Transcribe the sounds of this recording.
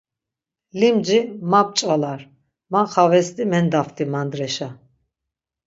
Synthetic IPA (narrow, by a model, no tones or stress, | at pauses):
limd͡ʒimap̚t͡ʃʼalaɾ | maχavɛst̪imɛnd̪aft̪ʰʼimand̪ɾɛʃa